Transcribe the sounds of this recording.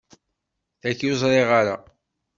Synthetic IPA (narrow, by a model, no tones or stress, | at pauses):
θækːjozˤɾˤeʁaɾa̰